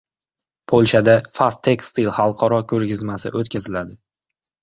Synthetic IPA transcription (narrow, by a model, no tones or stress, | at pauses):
pʰolʲˠʃad̪afast̪ʰːekst̪ilhɑlˠqʰɒɾɒkʲʰɵɾɡʲɪzmasɪ̰ʔot̪kʲazɪlad̪ɪ